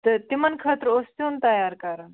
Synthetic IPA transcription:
t̪ət̪imənkʰət̪ɾost̪uːnt̪ɐjaɾkaɾan

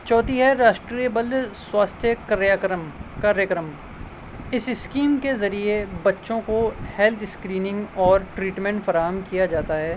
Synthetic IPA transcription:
t͡ʃɔːt̪iɦɛɾaːʃʈɾiebəld̪swaːst̪ʰjəkɐɾjaːkɾəmkaːɾjəkɾəm | ɪsɪskiːmkezɐɾiebɐtːʃõkohɛlt̪ʰɪskɾiːnɪ̃ŋɡɔːɾʈɾiːʈmɛ̃ɳʈfɐɾaːɦəmkijad͡ʒaːt̪aɦɛː

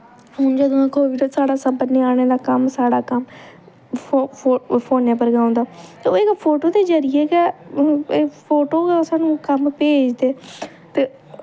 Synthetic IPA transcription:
ɦʊ̃ːnd͡ʒəd̪oãːkoːʋiːɾəsaːɽaːsəbəɾnĩːaːɽ̃eːd̪aːkəmsaːɽaːkəm | pʰoːnẽːpəɾɡãːõnd̪aːt̪eoːɪkpʰoːʈoːd̪eːd͡ʒəɾɪjeːɡɛː | pʰoːʈoːɡɛsaːnũːkəmpeːd͡ʒd̪eː | t̪eː

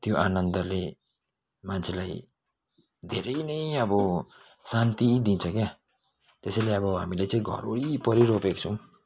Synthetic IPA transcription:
t̪joʔanʌnd̪ʌle | mant͡sʰelaj | d̪ʱeɾʌjnʌjʌbʌ | sant̪id̪int͡sʰʌkja | t̪esʌjleʌbʌɦa̰milet͡sʌĩɡʱʌ̰ɾoɾipʌɾiɾopek̚t͡sʰʌ̃w̃

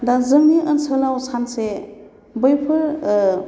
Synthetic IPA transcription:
dazɯŋniʔənsʰəlawsanse | bɯjpʰɯɾ

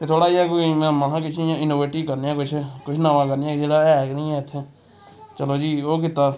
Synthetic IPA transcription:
t̪eːt̪ʰoːɽaːjãːk̬oimɛ̃ːmaɦãːkɪt͡ʃʰːjãːɪnoːʋeːʈiːkəɾnjãːkʊt͡ʃʰkʊt͡ʃʰnaʋãːkəɾnɪjãːkd͡ʒeːɽaːɛːknĩːɛ̃ːt̪ʰẽː | t͡ʃəloːd͡ʒiːoːk̬ɪt̪aː

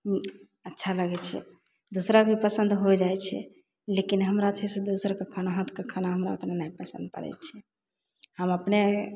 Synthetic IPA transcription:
ətːʃʰaləɡɛt͡ʃʰɛ̰ | d̪usɾabʱipəsənd̪ɦojd͡ʒajt͡ʃʰɛ̰ | lekinɦəmɾat͡ʃʰɛsed̪usəɾkekʰanaɦə̃t̪ʰkekʰanaɦəmɾao̰t̪nanaipəsə̰̃nd̪̚pə̰ɾɛ̰t͡ʃʰɛ | həməpne

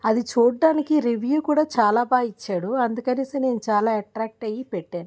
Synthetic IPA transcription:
ɐd̪it͡ʃuːɖːaːnikiɾiʋjuːkuːɽaːt͡ʃaːlaːbaːit͡ʃːaːɽuɐnd̪ukɐneːsine̞ːnut͡ʃaːlaːɐʈɾaːk̚ʈɐjipɛʈːaːnu

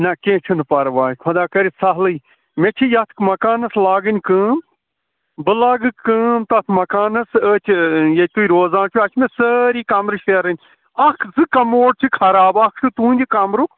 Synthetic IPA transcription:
nɐkẽːt͡ʃʰunpɐɾʋaːkʰɐd̪aːkɐɾisɐɦlɨj | met͡ʃʰijɐt̪ʰkmɐkaːnɐslaːɡɨnʲkɨːm | bɨlaːɡɨkɨmt̪ɐt̪ʰmɐkaːnɐsəːt͡ʃʰijet̪uiɾoːzaːnt͡ʃʰuɐt͡ʃʰmesəːɾiːkamɾɨʃeːɾɐnʲ | ɐkʰzɨkɐmoːɽt͡ʃʰikʰɐɾaːbakʰt̪ʰut̪ũːnʲd̪ʲikamɾuk

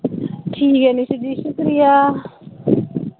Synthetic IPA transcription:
ʈʰiːkɛnisiɖ̪iʃukɾija

